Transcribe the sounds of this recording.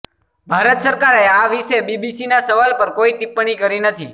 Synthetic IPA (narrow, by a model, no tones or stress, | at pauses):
bʱaɾət̪səɾkaɾeaʋiʃebibisinasəʋalpəɾkoiʈipːɳ̃ikəɾinət̪ʰi